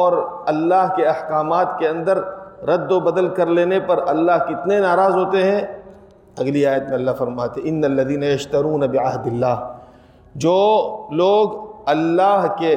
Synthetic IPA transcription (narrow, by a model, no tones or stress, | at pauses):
ɔːɾɐlːaːɦkeɐhkaːmaːt̪keɐ̃nd̪əɾɾɐd̪ːobɐd̪əlkɐɾleːnepɐɾʔɐlːaɦkɪt̪nenaːɾaːzɦoːt̪eɦɛ̃ | ɐɡliaːjət̪mẽɐlːaɦfɐɾmaːt̪eɦɛ̃ɪnːɐlːɐðiːnɐjɐʃt̪ɐɾuːnɐbɪʕɐɦd̪ɪlːaːɦ | d͡ʒoːloːɡɐlːaːɦke